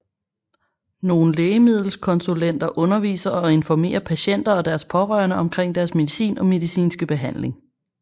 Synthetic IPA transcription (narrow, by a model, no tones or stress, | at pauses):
no̝ːn̩leːɪəmið̞̰ˠl̩skʰɒ̽nsulen̰d̥ɐʔɔ̽nɐʋḭːsɐʔɒ̽e̝nfɒme̝̰ːɐpʰæɕen̰d̥ɐɒ̽d̥æɐspʰɒ̽ʁɶ̰ːɐnəɒ̽mkʰʁeŋ̰d̥æɐsme̝ðˠisḭːnɒ̽me̝ðˠisḭːnsɡ̥əb̥e̝ɦæn̰le̝ŋ